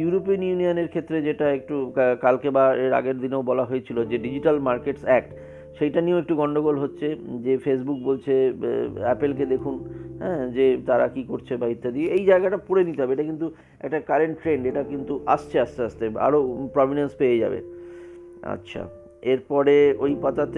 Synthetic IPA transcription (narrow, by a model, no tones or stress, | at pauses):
juɾopionjunijoneɾkʰet̪ːɾed͡ʑeʈaek̚ʈukkalkebaeɾa̰ɡeɾd̪ineobɔlaɦoet͡ɕʰilod͡ʑeɖid͡ʑiʈalmaɾkeʈsɛk̚ʈ | ʃejʈanioek̚ʈuɡɔɳɖoɣolɦotːɕʰed͡ʑefes̬buk̚bolt͡ɕʰe | ɛpelk̬ed̪ekʰunɦɛ̰̃ːd͡ʑet̪aɾakikoɾt͡ɕʰebaɦit̪ʰːad̪ieejd͡ʑaeɡaʈapoɽenit̪eɦɔbeʈakint̪̬u | ɛ̰kʈakaɾeɳʈːɾeɳɖeʈakint̪uʔa̰st͡ɕʰeast͡ɕʰeast̪ea̰ɾopɾɔminenspejed͡ʑa̰bḛ | a̰tːɕʰa̰ | eɾpɔɾeojpat̪at̪